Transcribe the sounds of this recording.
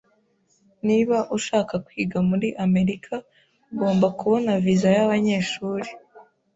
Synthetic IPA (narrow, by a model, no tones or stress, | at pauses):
niβaʔuʃaːkakwiːɡamuɾiʔame̞ɾikʰa | ɡo̞ːmbakuβo̞navizajaβaɲeːʃuːɾi